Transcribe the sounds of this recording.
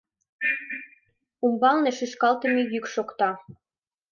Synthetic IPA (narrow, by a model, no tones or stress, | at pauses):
umbɑlneʃyʃkɑlt̪ə̆mejykʃokt̪ɑ